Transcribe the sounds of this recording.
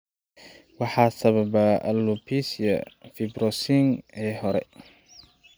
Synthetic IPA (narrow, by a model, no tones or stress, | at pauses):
wɑħɑːsɐβɐbaɐ̰lːupʰiːsjɐ̰fibɾɔsiŋɛːɦɔɾɛ̰